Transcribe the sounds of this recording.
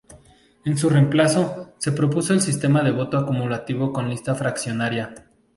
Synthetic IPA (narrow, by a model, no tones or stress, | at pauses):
e̞ns̬ure̞mplaso̞se̞pɾo̞puso̞elsist̪e̞maðe̞βo̞t̪oakumulat̪iβo̞ko̞nlist̪afɾaksjo̞naɾja